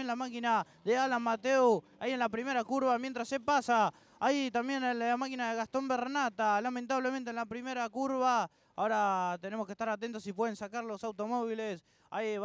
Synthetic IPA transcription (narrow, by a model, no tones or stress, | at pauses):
enlamakina | ðealamat̪euaienlapɾime̞ɾakuɾβamjent̪ɾasːepasa | ajt̪ambjenelamakinaðeɣast̪o̞mbernat̪alament̪aβlemẽnt̪enlapɾime̞ɾakuɾβa | a̰oɾat̪ene̞mokeht̪aɾat̪e̞nt̪osip̬we̞ð̞e̞nsakaɾlo̞sawt̪o̞mo̞β̞iles | a̰j